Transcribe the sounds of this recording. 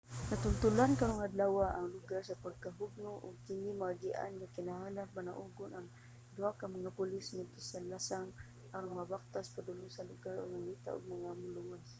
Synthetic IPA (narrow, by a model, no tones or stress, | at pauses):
nat̪ʊnt̪ʊlankaɾʊŋad̪lawaʔaŋlʊɡaɾsapaɡ̚kaɦʊɡ̚nʊʔʊɡ̚kɪnimaaɡɪʔa̰nŋakɪnaɦalapana̰ʔʊɡʊnaŋ | d̪ʊakamaŋapʊlɪsmadt̪ʊsalasaŋ | aɾʊnŋabak̚t̪aspad̪ʊlʊsalʊɡaɾʊ̰ɡ̚naŋit̪a̰ʔʊ̰ɡ̚maŋamʊluwas